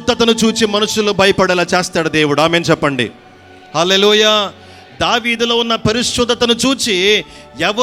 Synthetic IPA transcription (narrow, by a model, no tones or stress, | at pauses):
t̪ːɐt̪ɐnut͡ʃuːt͡ʃimɐnuʂːuloːbʱɐjɐpɐɽɐlaːt͡ʃeːst̪aːɽɐd̪eːʋuɽaːmeːnt͡ʃɛpːɐɳɖḭ | hɐleːluːjaː | d̪aːʋiːd̪ulo̞ːunːɐpɐɾiʂud̪ɐt̪ɐnut͡ʃuːt͡ʃi | ɛʋɐ